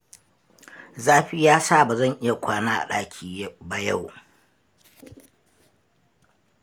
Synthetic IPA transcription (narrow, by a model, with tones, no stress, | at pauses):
zaː˦ɸiː˦jaː˦sa˦˨ba˨zɐ˦˨ŋʔɪ˦ja˨kʷaː˦naː˦ʔa̰˨ɗaː˦kʲʰiː˨˦ba˨ja˦˨w